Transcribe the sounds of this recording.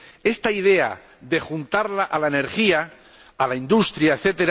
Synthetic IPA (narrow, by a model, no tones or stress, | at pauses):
e̞st̪aið̞e̞a̰ | ðe̞xunt̪aɾlaʔalaene̞ɾxia | alaind̪ust̪ɾjaeθe̞t̪eɾ